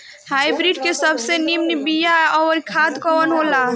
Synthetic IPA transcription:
hajbɾiɖkesəbʱsenimnibijaɔːɾikʰad̪kɔənɦola

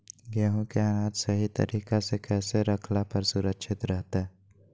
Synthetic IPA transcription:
ɡɛːɦõkeanaːt̪sɐɦit̪ɐ̰ɾiːkasekɛːseɾɐkʰlapɐɾsʊɾəkʃɪt̪ɾɛɦt̪aɛː

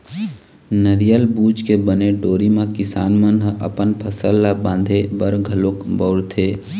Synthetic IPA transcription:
nəɾijəlbuːd͡ʒkebəneɖoːɾimãkɪsaːnmənɦʔɐ̰pənpʰəsəlːabãːnd̪ʱebəɾɡʱəlokbɔːɽt̪ʰeː

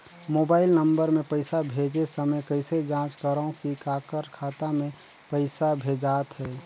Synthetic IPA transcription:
moːbaːɪlnə̃mbəɾmẽpəɪsabʱeːd͡ʒesəməjkəɪsed͡ʒãːt͡ʃkəɾõkikaːkəɾkʰaːt̪amẽ | pəɪsabʱeːd͡ʒaːt̪ɦɛː

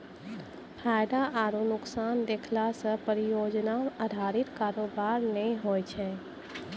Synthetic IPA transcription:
pʰaːjd̪aʔaːɾunʊksaːnd̪eːkʰlasə̃pəɾijoːd͡ʒnaməd̪ʱaːɾɪt̪kaːɾoːbaːɾnɛĩɦoːjt͡ʃʰɛ̃

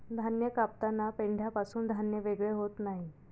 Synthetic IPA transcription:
d̪ʱanjəkap̚t̪anːapeɳɖʱjapasuːnd̪ʱanjəʋeɡɭeɦot̪naɦi

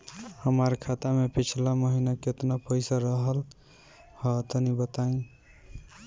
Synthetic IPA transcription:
həmaɾkʰat̪amepʰit͡ʃʰlaməɦinakeot̪napəjsaɾəɦəl | hət̪ənibət̪aĩ

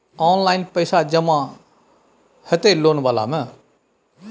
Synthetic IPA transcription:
ɔːnlaːɪnpəɪsaːd͡ʒəmã | hət̪eloːnʋaːla̰ːmɛ̃

